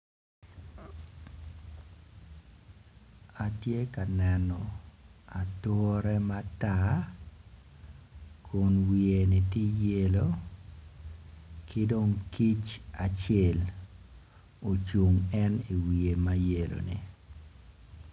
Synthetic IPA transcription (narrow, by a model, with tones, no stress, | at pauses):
a˨tje˦ka˨nɛ˨nɔ˨a˨twɔ˦ɾɛ˦ma˦ta˦ | kʰʊ˨nwi˨e˨nɪ˨ti˦je˦lo˦ | kʰɪ˦do˦ŋki˦t͡ʃa˨t͡ʃe˦˨l | o˨t͡ʃu˨ŋɛ˦ni˨wi˨e˨ma˦je˨lo̰˨nḭ˨